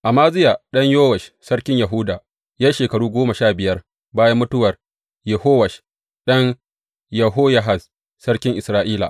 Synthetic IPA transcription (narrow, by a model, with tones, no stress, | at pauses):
ʔa˨maː˦zɪ˦jaː˨ɗɐ˦ɲjoː˦wɐ˨ʃsɐ˦ɽkʲɪ˦ɲjɐ˨ɦʊ˦daː˨ | ja˦ʃeː˨kɐ˨ɽuː˦ɡʷoː˦mɐ˨ʃaː˦˨bɪ˨jɐ˦r | baː˦jɐ˦mːʊ˦tʊ˦wɐ˨r | jɛ˨hoː˦wɐ˨ʃ | ɗɐ˦ɲ | jɐ˨ɦoː˦jɐ˦ɦa˨s | sɐ˦ɽkʲɪ˦ŋʔɪ˨sɾaː˦ʔiː˦la̰˨ʔ